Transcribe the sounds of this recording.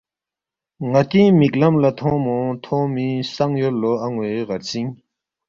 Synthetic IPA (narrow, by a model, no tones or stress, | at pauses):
ŋat̪imik̚lamlat̪ʰɔmɔt̪ʰɔ̃misaŋjøloʔaŋweʁaɹsiŋ